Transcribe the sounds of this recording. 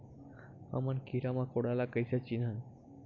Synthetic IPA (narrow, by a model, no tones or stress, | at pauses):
hã̰mankʰiɾamãkoɽalakəjsat͡ɕina